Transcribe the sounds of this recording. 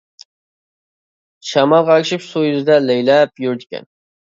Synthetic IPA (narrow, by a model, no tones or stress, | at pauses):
ʃæmɑlˠʁæɪʃɪpsujyzɪd̪ɛlɛjlɛpjuɾd̪ɪ̥kʲʰɛ̰n